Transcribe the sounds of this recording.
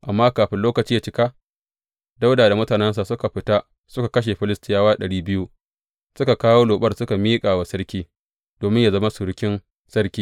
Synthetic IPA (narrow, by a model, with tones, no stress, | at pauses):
ʔa˨mːaː˦kaː˨ɸɪ˦nloː˦kɐ˨t͡ʃiː˦ja˨t͡ʃɪ˦ka˦ | da˦wdaː˨da˨mʊ˦taː˨nɛ˦ns̬a˨sʊ˦ka˨ɸɪ˨ta˦ | sʊ˦ka˨kɐ˦ʃ̬e˨ɸɪ˦lɪ˦stɪ˦jaː˦waː˦ɗɐ˨ɽiː˦bɪ˦ju˦ | sʊ˦ka˨kaː˦woː˦loː˨ɓɐ˦rsʊ˦ka˨miː˦kʼaː˨wa˨sɐ˦ɽkʲiː˦ | doː˨mɪ˦ɲja˨zɐ˦ma˦sʊ˨ɽɪ˦kʲɪ˦n | sɐ˦rkʲiː˦